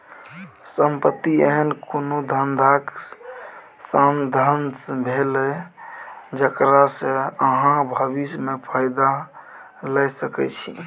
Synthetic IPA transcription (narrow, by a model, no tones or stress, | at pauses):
səmpət̪ːieɦənkonod̪ʱənd̪ʱak | sənd̪ʱənbʱelɛ | d͡ʒəkɾasə̃əɦãbʱəbismepʰaɪd̪a | lɛsəkɛ̰t͡ʃʰḭ